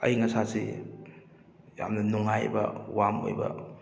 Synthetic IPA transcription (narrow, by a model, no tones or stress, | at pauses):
ɐ̰jŋɐsasi | ja̰mnɐnuŋajbɐ̰wamo̰jbɐ̰